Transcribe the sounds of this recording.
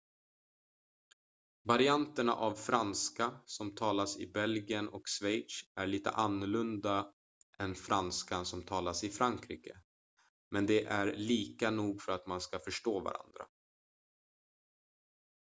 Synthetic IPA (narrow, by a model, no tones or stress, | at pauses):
vaɾɪant̪əɳa̰ʔavfɾanskasɔmt̪ʰɑːlasɪ̰bɛlɡɪjənɔksvɛjʂæɭiːt̪ə̰ʔanːʊɭɵnd̪a | ʔɛnfɾanskansɔmt̪ʰɑːlasɪfɾaŋkʰɾiːkə̰ | mɛnd̪ɛʔæɾɭiːkanuːɡfœɾat̪manskafœʂʈoːva̰ɾa̰nd̪ɾa̰